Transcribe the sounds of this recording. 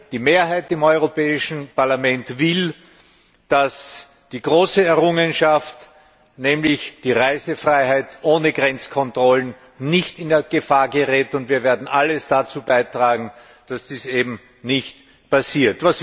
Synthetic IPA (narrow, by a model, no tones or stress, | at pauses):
d̥iːmeːɐɦaɪtɪmɔʏʁopɛːɪʃn̩paɐlamɛ̃ntvɪl | d̥as | d̥iːɡ̥ʁoːsəɛɐʁʊŋənʃaft | nɛːmlɪçd̥iːʁaɪzəfʁaɪɦaɪtʔoːnəɡʁɛnt͡skʰɔntʁ̥ɔlən | nɪçtɪndɛɐɡ̥əfaːɐɡəʁɛːtʊntviːɐveːɐdn̩ʔaləsd̥at͡suːbaɪtʁ̥aːɡŋ̩ | d̥asd̥iːseːbm̩ | nɪçt | pasiːɐtvas